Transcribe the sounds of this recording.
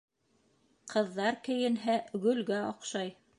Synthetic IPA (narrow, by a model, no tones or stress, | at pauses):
qʰɤ̆ðːɑɾkɘ̆jɘ̆nɦæɡɵ̆lɡæɑqʃɑj